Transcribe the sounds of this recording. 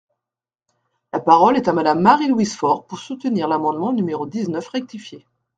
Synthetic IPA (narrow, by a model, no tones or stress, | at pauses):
lapaʁɔlɛt̪amad̪amːaʁilwisfɔʁpuʁsut̪əniʁlamɑ̃d̪mɑ̃nymeʁod̪iznœfʁɛk̚t̪ifje